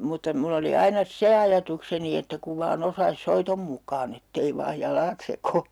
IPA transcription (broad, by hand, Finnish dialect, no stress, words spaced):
mutːɑ mulː oli ɑinɑ se ɑjɑtukseni etːæ kuʋ ʋɑːn osɑis soitom mukˑɑːn etːei ʋɑːj jɑlɑːt sekoː